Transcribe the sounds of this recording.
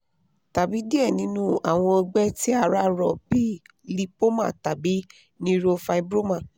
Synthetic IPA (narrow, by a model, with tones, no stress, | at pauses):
ta˨bi˨˦di˦ɛ˦˨nĩ˨˦nũ˦a˨w̃ɔ̃˧o˧ɡ͡bɛ˦ti˦a˧˨ɾa˦ɾɔ˧˨bi˦ | li˧po˦mã̰˦˨ta˨bi˨˦ | nĩ˦ɾo˧fa˧i˧bɾo˦mã˦˨